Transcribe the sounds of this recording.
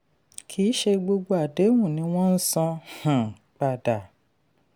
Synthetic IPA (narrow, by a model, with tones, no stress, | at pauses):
kʰi˨˦ʃe˧ɡ͡bo˧ɡ͡bo˧a˨de˨˦wũ˦˨nĩ˨˧˦w̃ɔ̃˦n̩˦sɔ̃˧hã˨ | k͡pa˨da˨